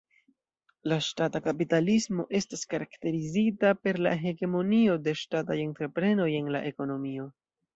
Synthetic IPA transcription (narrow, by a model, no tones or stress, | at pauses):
laʃtatakapitalismo̞̰ʔe̞staskaɾakte̞ɾizitape̞ɾla̰ɦe̞ɡe̞mo̞nio̞de̞ʃtatajentɾe̞pɾe̞no̞je̞nla̰ʔe̞ko̞no̞mio̞